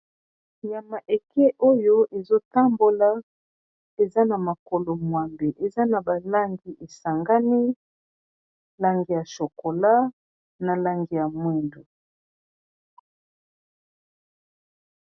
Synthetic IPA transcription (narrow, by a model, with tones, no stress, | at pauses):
ja˨ma˨ʔe˨kʰɛ˦ʔo˦jo˦ʔe˨zo˦ta˦mbo˦la˦ | e˨za˦na˨ma˨ko˨lo˨mwa˨mbe˨ʔe˨za˦na˨ba˨la˦ŋɡi˨ʔe˨sa˨ŋɡa˦ni˦ | la˦ŋɡi˨ja˨ʃo˨ko˨la˦ | na˨la˦ŋɡi˨ja˨mwɛ˦ndo˨